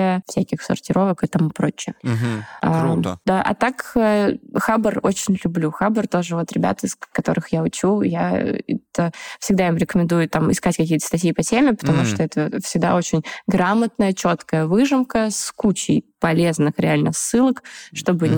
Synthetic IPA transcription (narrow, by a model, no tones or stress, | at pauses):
əfsʲækʲɪxsʊ̰rtʲɪɾʔo̞vəkɨt̪amɨpɾo̞t͡ɕːɪjə | ad̪aʔɐ̰t̪akəxabəro̰t͡ɕɪnʲlʲʊblʲuxabərt̪o̞ʐɨvo̞t̪ɾʲɪbʲa̰t̪ɨskɐt̪o̞ɾɨxjaʊt͡ɕuja̰ɛ̰t̪əfsʲɪɡ̚d̪aimɾʲɪkəmʲɪnd̪ujʊt̪ːamɪ̰skatʲkɐkʲijət̪ə̥st̪ɐtʲjipɐtʲemʲɪpə̥t̪ɐmuʂt̪oɛt̪əfsʲɪɡ̚d̪a̰o̞t͡ɕɪnʲɡɾamət̪nəjət͡ɕo̞t̪kəjəvɨʐɨmkəskut͡ɕɪ̰jpɐlʲe̞znɨxɾʲɪalʲnəsːɨlˠəkʂt̪o̞bɨ